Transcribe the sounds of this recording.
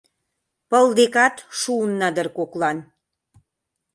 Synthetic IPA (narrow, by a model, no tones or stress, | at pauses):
pəld̪ekɑt̪ʃuunːɑd̪ərkoklɑn